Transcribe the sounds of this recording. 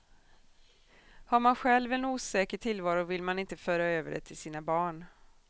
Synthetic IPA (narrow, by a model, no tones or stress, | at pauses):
haɾmanɧɛlvɛnuːsɛːkəʈʰɪlvɑːɾʊvɪlmanɪnt̪əføːɾaøːvəɖɛ̰t̪ʰːɪlsiːnabɑːɳ